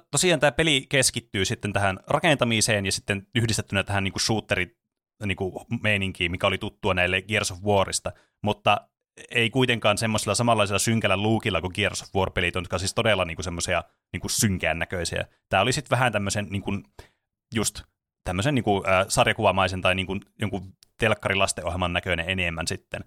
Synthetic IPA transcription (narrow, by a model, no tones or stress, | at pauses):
t̪osiɑːnt̪æːpelikeskit̪ːyːsit̪ːent̪æhænrɑkent̪ɑmiseːnjɑsit̪ːenyhdist̪et̪ːynæt̪æhænniːŋkuʃuːt̪ːeri | niːŋkumeiniŋkiːmikæolit̪ut̪ːuɑnæilːeɡ̥irsofʋuorḭst̪ɑ | mut̪ːɑ | eikuit̪eŋkɑːnsemːosilːˑɑsɑmɑlːɑisilːˑɑsyŋkælælluːkilːɑkuɡierso̥fʋuorpelit̪onːut̪kɑsiːst̪odelːɑniːŋkusemːosiɑ | niːŋkussyŋkæːnːækøisiæ̰ | t̪æːolisit̪ʋæhænt̪æmːøsenniːŋkun | just̪ | t̪æmːøsenniːŋkuəːsɑrjɑkuʋɑmɑisent̪ɑiniːŋkunjoŋku | t̪elkːɑrilɑst̪eʔo̰helmɑnnækøneʔenemːænsit̪ːen